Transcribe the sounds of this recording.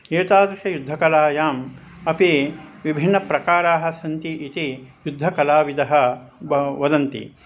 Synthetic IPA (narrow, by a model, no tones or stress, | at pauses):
eːt̪aːd̪ɾiʃɐjud̪ʱːɐkɐlaːjaːm | ɐpi | ʋibʱinːɐpɾɐkaːɾaːɦɐ̆sɐnt̪iʔit̪ijud̪ʱːɐkɐlaːʋid̪ɐɦɐ̆ | ʋɐd̪ɐnt̪ḭ